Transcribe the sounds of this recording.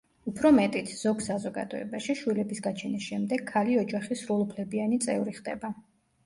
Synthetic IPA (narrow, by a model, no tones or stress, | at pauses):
upʰɾɔmɛt̪ʼit̪ʰz̥ɔɡsazɔɡa̰d̪ɔɛ̰baʃiʃwilɛbisɡat͡ʃʰɛnisʃɛmd̪ɛɡkʰːaliɔd͡ʒaχisɾulˠupʰlɛbianit̪sʼɛ̰uɾiχd̪ɛ̰ba